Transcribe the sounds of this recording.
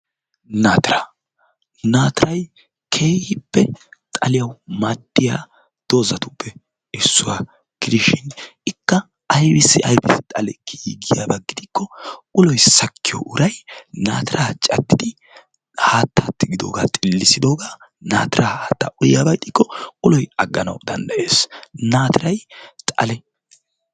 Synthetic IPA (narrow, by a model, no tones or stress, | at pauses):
naːt̪ɪɾa | naːt̪ɪɾɐj | kʰe̞ːhɪpːɛt̪ʼɐlɪjɐwmad̪ːɪjaː | d̪̥o̞ːzɐt̪ʊpːɛ | ɪsːʊwa̰ː | ɡ̥ɪd̪ɪʃɪnɪkːɐ | ɐjbɪsːɪʔɐjbɪsɪt̪ʼɐlɛkʰiːɡɪjabɐɡɪd̪ɪkːɔkʊlɔjsɐkːɪjɔ̰ʔʊɾɐjnaːt̪ɪɾaːt͡ʃʼɐt̪ːɪd̪ɪ | haːt̪ːaːt̪ːɪɡɪd̪o̞̰ːɡaːt̪ʼɪlːɪsɪd̪o̞ːɡaː | naːt̪ɪɾaːhaːt̪ːaʔʊjaːbɐjt̪ʼːɪkːɔkʼʊlɔjɐɡːɐnɐ̰wd̪ɐnd̪ɐʔe̞ːsnaːt̪ɪɾɐjt̪ʼɐ̰lɛ